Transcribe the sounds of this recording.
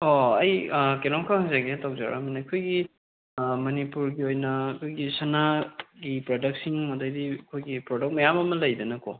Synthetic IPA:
oɐjkelɔmkʰaŋhaŋzaɡetʰawza̰ɾa̰minːkʰojɡi | mɐnipuɾɡiojnɐːkʰojɡisɐnaɡipɾodɐk̚siŋmɐdɐjdiɐkʰojɡipɾodɐk̚t̚mɐjamɐmɐlɐjdɐnɐkʰɔ

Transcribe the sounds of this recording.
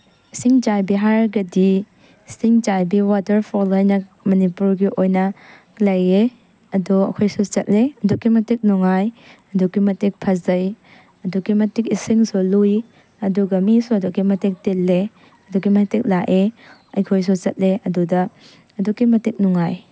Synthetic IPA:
siŋd͡ʒajbiɦaɾɡɐdi | siŋd͡ʒajbiwatɐɾpʰɔlojnɐmɐnipuɾɡiʔojnɐ | lɐje | ɐduɐkʰojsut͡ʃɐt̚leɐdukːimɐtik̚nuŋajɐdukimɐtek̚pʰɐzɐj | ɐdukimɐtik̚isiŋsului | ɐduɡɐmisuɐdukːimɐtek̚telːe | ɐduɡimɐtek̚laʔeɐjkʰojs̬ut͡ʃɐt̚leɐdudɐː | dukimɐtik̚nuŋaj

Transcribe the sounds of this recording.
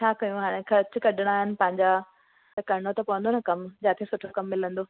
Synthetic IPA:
t͡ɕʰaːkɐjũɦaːɽ̃ẽxʰɐɾt͡ɕʊ̆kɐɗɪɽ̃aːɦɪnɪ̆pɐ̃ɦɪ̃ɲd͡ʑa | kɐɽ̃ot̪ɐpuʋə̃nd̪onɐkɐmd͡ʑaːt̪ʰesʊʈʰokɐmːɪlə̃nd̪oː

